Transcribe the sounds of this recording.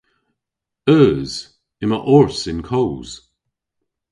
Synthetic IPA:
œːz̥ | ɪməʔɔɹsɪ̃nkʰowz̥

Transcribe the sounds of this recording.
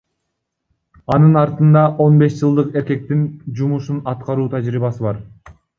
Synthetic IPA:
ɑnɯnɑɾt̪ɯnd̪ɑʔo̞nbe̞sd͡ʒɯlˠd̪ɯqe̞ɾke̞k̚t̪ind͡ʒumuʃunɑt̪qɑɾuːt̪ʰæd͡ʒɾiːβɑsɯβɑɾ

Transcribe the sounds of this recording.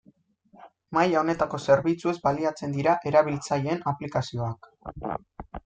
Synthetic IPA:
majaone̞t̪ako̞se̞ɾβit͡sue̞zbaliat͡se̞nd̪iɾaʔe̞ɾaβilt͡saʎe̞ːnaplikasio̞ak

